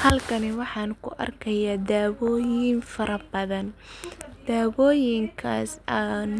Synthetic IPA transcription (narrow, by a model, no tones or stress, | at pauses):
hɐlkʰɐnɪwɑħɑːnkʰʊ̰ʔɐ̰rkʰɐjaːd̪aːβɔːjɪnfɐɾɐbɐðɐn | d̪̥aːβɔːjɪŋkʰa̰ːsan